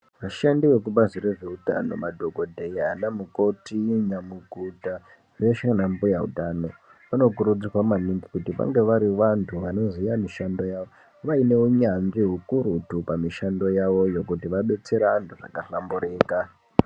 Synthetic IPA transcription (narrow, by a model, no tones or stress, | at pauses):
ʋaʃandiʋe̞kuɓaziɾeʐe̞uta̰no̞̰madʱo̞ɡʱo̞dʱe̞ianamuko̞tiɲamuɡʱuta | re̞ʃanambujaṵtaːno̞ | ʋano̞kuɾud͡zikwamaniŋɡikutiʋa̰ŋɡe̞ʋaɾiʋantʰuʋano̞zijamiʃando̞jaːʋo | ʋaine̞uɲanʐiɦukuɾutupamiʃando̞jaʋo̞jokutiʋaɓe̞t͡se̞ɾaːntʰuʐa̰kaɬambuɾe̞ːka